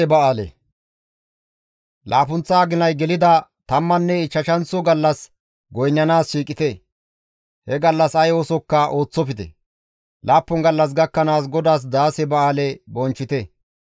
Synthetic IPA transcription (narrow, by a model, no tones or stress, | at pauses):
ɛbɐaːlɛ̰ | lʔaːpʊnt͡sːaːɡɪnɐjɡɛlɪd̪ɐt̪ɐmːɐnːɛɪt͡ʃːɐʃɐnt͡sːɔɡɐlːɐs | ɡɔjnːɐnaːsʃiːkʼɪt̪ɛ | hɛɡɐlːɐsɐjoːsɔkːɐʔo̞ːt͡sːɔpɪt̪ɛ̰ | lʔaːpːɔŋɡɐlːɐs̬ɡɐkːɐnaːs̬ɡɔd̪aːs̬d̪aːsɛbɐaːlɛbɔnt͡ʃːɪt̪ɛ